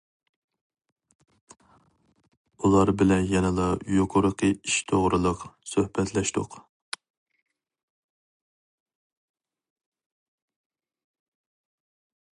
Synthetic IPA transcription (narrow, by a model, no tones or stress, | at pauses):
ulˠɑɾbɪlɛnjɛnɨlˠɑjoqʰʊɾəqʰəiʃt̪ʰoʁɾɨlˠəqsøhbɛt̪ʰlɛʃt̪ʊ̰q